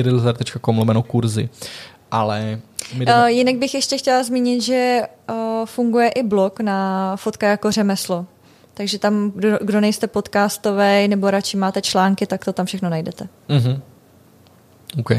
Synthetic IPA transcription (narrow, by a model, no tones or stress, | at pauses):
ɪɾɪlzaɾt̪ɛt͡ʃkakomlomɛnokuɾzɪ̰ | ʔalɛmmɪjɪnaɡ̚bɪxjɛʃcɛxcɛlazmiːɲɪt̪ʒɛ | fuŋɡujɛʔɪblo̞knafot̪kajako̞rɛmɛslo̞ | t̪aɡʒɛt̪amɡdo̞nɛjst̪ɛpo̞t̪kaːst̪ovɛjnɛboɾat͡ʃɪmaːt̪ɛt͡ʃlaːŋkɪt̪akt̪ot̪amfʃɛxno̞najdɛt̪ɛ | ɦm̩ | owkɛj